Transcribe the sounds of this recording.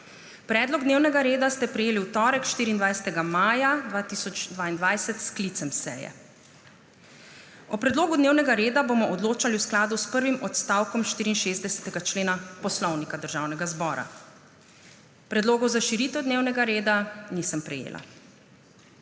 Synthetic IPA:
pɾɛːd̪lɔɡd̪neːwnɛɡaɾeːd̪ast̪ɛpɾɛjeːliwt̪ɔːɾɛkʃt̪iːɾind̪ʋajsɛ̥t̪ɛɡamaːjad̪ʋaːt̪isɔt͡ʃd̪ʋaːind̪ʋajsɛt̪sklit̪sɛmsɛ̰ːjɛ̰ | ɔpɾɛd̪loːɡud̪neːwnɛɡaɾeːd̪abomɔʔɔd̪loːt͡ʃaliwsklaːd̪uspəɾʋimɔt̪st̪awkɔmʃt̪iːɾiːnʃeːzd̪ɛsɛ̥t̪ɛɡat͡ʃleːnapɔslɔwnikad̪əɾʒaːwnɛɡazbɔːɾa̰ | pɾɛd̪loːɡɔwzaʃiɾiːt̪ɛwd̪neːwnɛɡaɾeːd̪anisəmpɾɛjḛːlʔa̰

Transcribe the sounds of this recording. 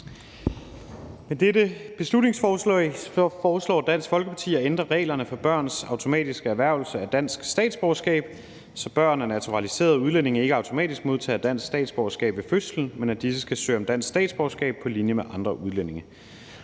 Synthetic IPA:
med̥edəb̥e̝slud̥ne̝ŋsfɒ | ɒːslɒ̰ːd̥æn̰sɡ̥fɒ̽lɡ̥əpʰɑ̈t͡sʰḭːɒend̥ʁɐʁɛ̰ːlɐnəfɒ̽b̥ɶɐ̰nsɑ̈ʊt͡sʰo̝mɛ̰ːd̥isɡ̥əæɐʋæɐʊlsəæd̥æn̰sɡ̥sd̥ɛ̰ːd̥sb̥ɒʊɐsɡ̥ɛ̰ːb̥ | sɒ̽b̥ɶɐ̰nænæt͡sʰuʁɑlise̝̰ːɐð̞ˠuð̞ˠlen̰e̝ŋɐe̝ɡ̥əɑ̈ʊt͡sʰo̝mɛ̰ːd̥isɡ̥mo̝ð̞ˠt͡sʰɛ̰ːd̥æn̰sɡ̥sd̥ɛ̰ːd̥sb̥ɒʊɐsɡ̥ɛ̰ːb̥ʋe̝føsln̩menæd̥isəsɡ̥æsø̰ːɒ̽md̥æn̰sɡ̥sd̥ɛ̰ːd̥sb̥ɒʊsɡ̥ɛ̰ːb̥̚pʰɒ̽linjəmeʔɑ̈nd̥ʁɐʔuð̞ˠlen̰e̝ŋɐ

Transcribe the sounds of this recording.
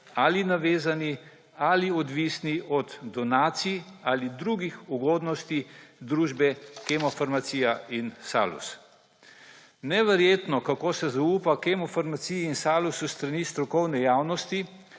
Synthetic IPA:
alinaʋeːzani | aliɔd̪ʋisniʔɔd̪d̪ɔnaːt̪sialid̪ɾuɡixuɡoːd̪nɔst̪id̪ɾuːʒbɛkemɔfaɾmat̪siːjainsa̰lṵs | nɛʋɛɾjeːt̪nɔkakoːsɛzauːpakemɔfaɾmat̪siinsaːlusust̪ɾaniːst̪ɾɔkɔwnɛjaːwnɔst̪i

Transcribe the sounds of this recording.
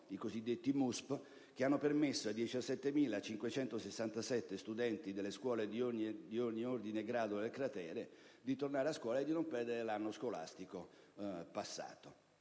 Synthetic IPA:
ikozid̪ːet̪ːimusp | k̟eanːopermesːoad̪jit͡ʃasːɛt̪ːemiːlat͡ʃiŋkwet͡ʃɛnt̪osesːant̪asɛt̪ːest̪ud̪ɛnt̪id̪elːeskwɔːled̪ioɲːid̪ioɲːiord̪ineɡɾaːd̪od̪elkɾat̪ɛːɾe | d̪it̪ornaːɾeaskwɔːlaed̪ːinompɛrd̪eɾelanːoskola̰st̪iko | pasːa̰ːt̪o

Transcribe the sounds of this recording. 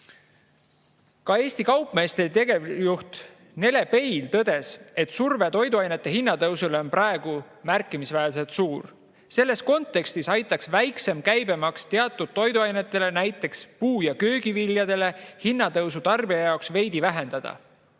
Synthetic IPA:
kɑe̞ːsʲt̪ikɑwpːˑme̞ːst̪et̪e̞ɡejuht̪ | ne̞le̞pe̞jlt̪ɤd̪̥e̞se̞t̪ːˑsurvet̪o̞jd̪uɑjne̞t̪ːˑe̞hinːɑt̪ɤwsuleo̞nprɑe̞ɡ̥u | mærkːˑimisvæels̬e̞lt̪suːr | se̞lːe̞sko̞nt̪ːe̞kst̪isɑjt̪ːˑɑksvæjkse̞mkæjbe̞mɑkst̪eɑt̪ˑːud̪̥̚t̪ːo̞jd̪uɑjne̞t̪ˑːe̞le̞næjt̪ːˑe̞kspuːjɑkø̞ːɡiviljɑd̪e̞le̞hinːɑt̪ɤwsut̪ɑrbijɑjɑoksve̞jd̪̥ivæɦe̞nd̪̥ɑd̪̥ɑ̰

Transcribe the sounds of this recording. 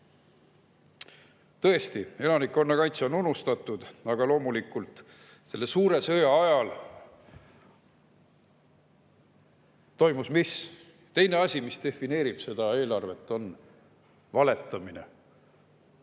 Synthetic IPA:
t̪ɤ̞e̞st̪ie̞lɑnikːo̞nːɑkɑjt̪seo̞nunːust̪ɑt̪ːˑud̪̥ɑɡ̥ɑlo̞ːmulikːˑult̪ˑ | se̞lːe̞suːɾe̞sø̞jɑɑjɑl | t̪o̞jmusmis | t̪e̞jne̞ɑsʲimist̪e̞fine̞ːɾib̥se̞d̪̥ɑe̞ːlɑrve̞t̪ːˑo̞n | vɑle̞t̪ːˑɑmine̞̰

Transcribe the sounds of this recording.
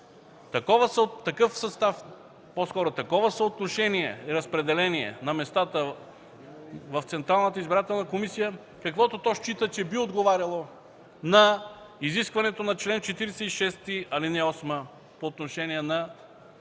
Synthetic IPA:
t̪ɐkɔvəsəɐkɤfsɐst̪af | poskɔɾʊt̪ɐkɔvəsəot̪noʃɛniɛiɾɐspɾɛd̪ɛlɛniɛ̰nɐmɛst̪at̪ə | vɐft̪sɛnt̪ɾalˠnət̪əizbiɾat̪ɛlˠnəkomisijə | kɐkvɔt̪ot̪ɔʃt͡ʃit̪ət͡ʃɛbiod̪ɡovaɾʲɐlˠo | nɐ | iziskvɐnɛt̪onɐt͡ʃlɛnt͡ʃɛt̪iɾisɛiʃɛst̪iɐlinɛɔsmə | poːt̪noʃɛniɛnɐ

